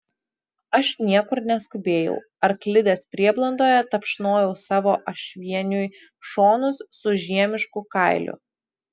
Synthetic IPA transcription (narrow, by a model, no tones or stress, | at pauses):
ɐʃnʲiɛkʊɾnʲɛskʊbʲeːjɛ̰ʊ | ɐɾklʲɪd̪ʲeːspʲɾʲiɛblˠɐnd̪oːjɛt̪ɐpʃnoːjɛʊsɑːʋoːʔɐʃʲʋʲiɛnʲʊj | ʃoːnʊsːʊʒʲiɛmʲɪʃkʊkɐˑɪlʲʔʊ̰